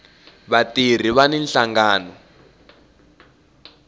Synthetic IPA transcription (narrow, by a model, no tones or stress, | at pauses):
βatir̤iβanɛnɬaŋɡaːnɔ